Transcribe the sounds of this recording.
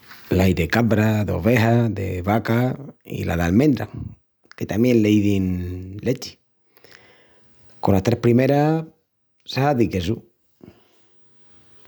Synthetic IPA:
lajðekaβɾaðo̞̰βe̞ɦaðḛβakaḭla̰ðalmẽnd̪ɾa̰ | ke̞t̪amjẽ̞nleiðinle̞t͡ʃi̥ | ko̞nlast̪ɾehpɾime̞ɾa | sahaðikesu

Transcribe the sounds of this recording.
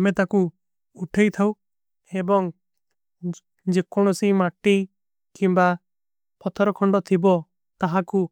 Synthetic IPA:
met̪aku | uʈʰejt̪ʰaw | ebɔŋ | d͡ʒekɔɽ̃ɔsimaʈi | kimba | pɔt̪ʰɔɾɔkʰɔɳɖɔt̪ʰibɔ | t̪aɦaku

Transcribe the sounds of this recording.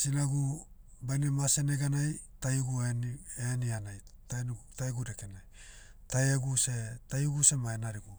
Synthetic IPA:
sinaɡu | bajnemase̞neɡanajtajuɡueenianajtataeɡudekenaj | taeɡusetajuɡuse̞maenaɾiɡu

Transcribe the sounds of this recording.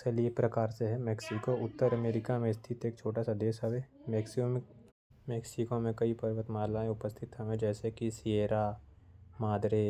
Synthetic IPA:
seliepɾɐkaːɾseɦɛmɛːksikoʊt̪ːəɾəmeːɾɪkamẽɪst̪ʰɪt̪eːk̚t͡ʃʰoːʈasad̪eːsɦəʋeː | meːkso | meːksɪkomẽkɐipɐɾʋət̪maːlaẽʊpəst̪ʰɪt̪ɦəʋẽd͡ʒɛːsekisieːɾa | maːd̪ɾe

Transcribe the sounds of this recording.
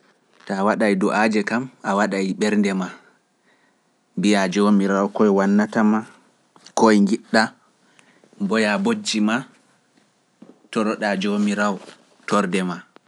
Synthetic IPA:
tawaɗajdɔʔad͡ʒɛkamawaɗajɓɛɾndɛma | mbijad͡ʒomiɾawkɔjwanːatama | kojŋɡiɗːa | mbɔjabod͡ʒːima | tɔɾɔɗad͡ʒomiɾaw | tɔɾdɛma

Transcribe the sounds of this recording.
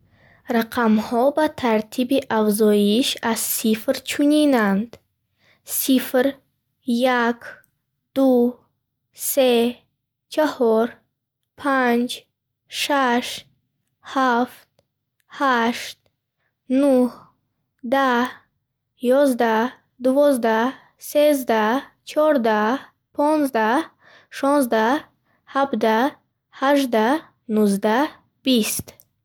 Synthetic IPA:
ɾaqʰamhɔbat̪ʰaɾt̪ʰibiʔafzɔjiʃazsifɾt͡ʃʰuninand̪ | sifɾ | jak | d̪̥u | se | t͡ʃʰahɔɾ | pʰand͡ʒ | ʃaʃt | haft̪̚ | haʃt̪̚ | nuh | d̪a | jɔzd̪a | d̪uvɔzd̪a | sezd̪a | t͡ʃʰɔɾd̪a | pʰɔnzd̪a | ʃɔnzd̪a | habd̪a | haʒd̪a | nuzd̪a | b̥ist̪

